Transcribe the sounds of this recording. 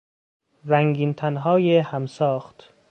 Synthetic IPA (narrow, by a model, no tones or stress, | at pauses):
ɾæŋɡiːnt̪ʰænɦɒːjehæmsɒːxt̪